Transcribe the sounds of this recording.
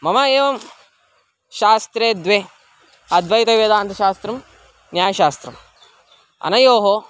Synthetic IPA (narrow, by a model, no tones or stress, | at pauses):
mɐmɐeːʋɐm | ʃaːst̪ɾeːd̪ʋe | ɐd̪ʋɐjt̪ɐʋeːd̪aːnt̪ɐʃaːst̪ɾɐm | njaːjɐʃaːst̪ɾɐm | ɐ̰nɐjoːɦo